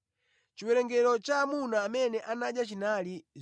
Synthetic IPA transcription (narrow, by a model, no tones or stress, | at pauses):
t͡ʃiwɛɾɛŋɡɛɾɔt͡ʃaːmunaːmɛnɛʔanaɗjat͡ʃinaliz